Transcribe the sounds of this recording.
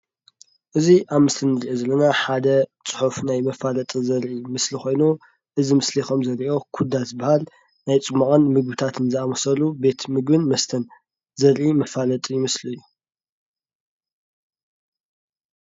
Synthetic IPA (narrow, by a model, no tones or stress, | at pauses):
ʔɨziʔaβmɨst̪ʰɨnːɨɾiʔozɐlːɐnaħad̪ɐt͡sʼɨ̥ħufnajmɐfalɐt̪ʼɨzɐɾʔimɨslixo̞jnu | ʔɨzimɨslixo̞mzɐɾiʔo̞kʰud̪azɨbahal | najt͡sʼɨmːɐkʼɐnmɨɡ̚bɨt̪ʰat̪ɨnzɨamɐsɐlube̞t̪mɨɡbɨnmɐst̪ʰɐn | zɐɾʔimɐfalɐt̪ʼɨjɪmɨslujːu